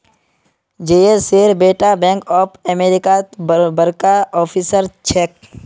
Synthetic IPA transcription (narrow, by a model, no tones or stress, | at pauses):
d͡ʒeːeseːɾbeːʈabɛ̃ːŋkɔːpʰəmeːɾɪkabəɾkaɔːpʰisəɾt͡ʃʰeːk̚